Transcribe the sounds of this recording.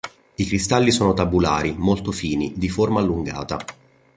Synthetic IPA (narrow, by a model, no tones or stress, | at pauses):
ikɾist̪alːisoːnot̪abulaːɾimolt̪ofiːnid̪iformaːlːuŋɡa̰ːt̪a̰